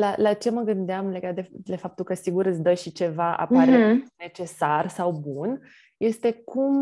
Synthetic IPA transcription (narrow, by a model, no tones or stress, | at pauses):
lalat͡ʃe̞məɡɨnd̪eamle̞ɡat̪̚d̪ed̪efap̚t̪ulkəsiɡuɾɨtsd̪əʃit͡ʃe̞vaʔa̰paɾene̞t͡ʃe̞sarsawbun | je̞st̪e̞kum